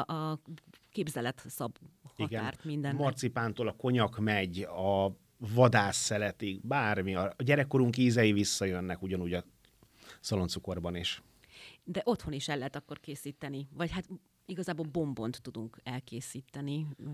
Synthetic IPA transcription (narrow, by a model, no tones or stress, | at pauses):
ɒkeːbzɛlɛt̪sɒbhitɡɛːrt̪mind̪ɛnmort̪sipaːnt̪oːlɒko̞ɲɒkmɛɟɒ | vɒd̪aːsːɛlɛt̪iɡbaːrmiɒɟɛɾɛkːo̞ɾuŋkiːzɛjivisːɒjønːɛkuɟɒnuːɟɒ | sɒlo̞nt̪suko̞rbɒniʃ | d̪ɛʔo̞t̪ho̞niʃɛlːɛɛt̪ɒkːo̞rkeːsiːt̪ɛnivɒchat̪ | iɡɒzaːbolbo̞mbo̞nt̪ːud̪uŋkɛlkeːsiːt̪ːɛni